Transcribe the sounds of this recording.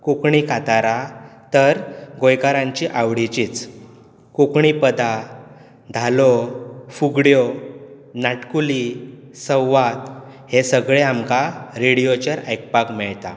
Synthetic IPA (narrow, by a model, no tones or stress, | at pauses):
kukɳikat̪aɾat̪əɾɡojkaɾãɲt͡ɕiʔaʋɽit͡ɕiːt͡s | kukɳipəd̪a | d̪ʱalɔfuɡɽjɔ | naʈkulisəwʋat̪ | hesəɡɭeamkaɾeɽijot͡ɕəɾəjk̚pakmɛɭt̪a̰